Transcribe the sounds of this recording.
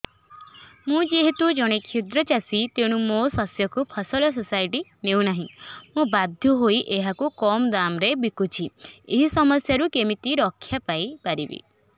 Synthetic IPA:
mũd͡ʒeɦet̪ud͡ʒɔɽ̃ekʰud̪ɾɔt͡ʃasit̪eɽ̃umosɔsjɔkupʰɔsɔlɔs̬ɔsajʈinew̃naɦĩmũbad̪ʱjɔɦoiʔeɦakukɔmd̪amɾebikut͡ʃʰieɦisɔmɔsjaɾukemit̪iɾɔkʰːjapajpaɾibḭ

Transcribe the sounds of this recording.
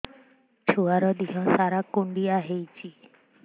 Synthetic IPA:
t͡ɕʰuaɾɔd̪iɦɔsaɾakoɳɖiaɦejt͡ɕi

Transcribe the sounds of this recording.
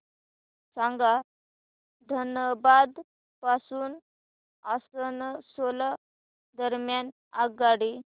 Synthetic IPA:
sãŋɡa | d̪ʱənəbad̪ | pasuːn | asənəsola | d̪əɾmjan | aɡaɽi

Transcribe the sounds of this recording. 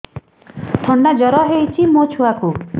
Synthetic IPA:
t̪ʰɔɳɖad͡ʒɔɾɔɦejt͡ʃʰimot͡ʃʰuaku

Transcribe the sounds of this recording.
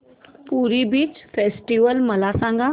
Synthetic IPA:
puːɾibiːt͡ʃfeːsʈiʋəlmɐlasãːŋɡa

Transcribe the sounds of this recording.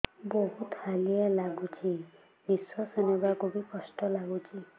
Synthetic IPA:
boɦut̪halialaɡut͡ʃʰi | biswɔsenebakubikɔsʈɔlaɡut͡ʃʰi

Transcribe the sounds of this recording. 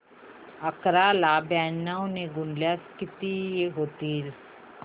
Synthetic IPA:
ɐkɾaːlaːbaːnnaõneɡʊnljaskɪt̪ijeɦoːt̪iːl

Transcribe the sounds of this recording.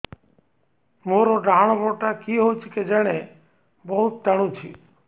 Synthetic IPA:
moːɾoɖʱaɽ̃oboʈakiɦot͡ʃʰiked͡ʒeɽ̃e | bɔɦut̪̚t̪əɽ̃ũt͡ʃʰḭ

